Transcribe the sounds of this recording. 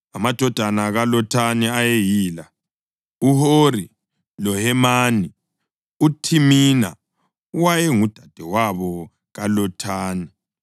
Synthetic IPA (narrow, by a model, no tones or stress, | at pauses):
amad̥ʱɔd̥ʱanaɣalɔtʰaniajejiːla | uhoɾi | lɔhɛmaːni | utʰimina̰ | uwajɛŋud̥ʱad̥ʱɛwaβɔ | ɣalɔtʰaːni